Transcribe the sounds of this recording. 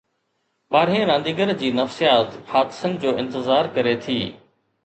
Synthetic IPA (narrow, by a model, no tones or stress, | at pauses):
ɓaːɾ̤iẽɾãːnd̪iːɡəɾd͡ʑiːnɐfsijaːt̪xaːt̪ɪ̥sənɪ̆d͡ʑoːɪ̃nt̪ɪzaːɾkɐɾet̪ʰiː